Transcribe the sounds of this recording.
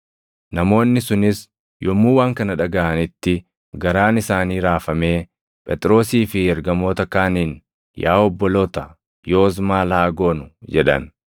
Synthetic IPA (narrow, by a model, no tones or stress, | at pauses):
nɐmo̞ːnːɪsʊnɪs | jɔmːuːwaːŋkɐnɐᶑɐɡɐʔɐnɪt̪ːɪ | ɡɐɾaːnɪsaːniːɾaːfɐme̞ː | pʼɛt̪ʼɾo̞ːsiːfɪɛɾɡɐmo̞ːt̪ɐkaːniːn | jaːɔbːɔloːt̪ɐ | jo̞ːz̬maːlaːɡo̞ːnʊd͡ʒɛᶑɐ̰n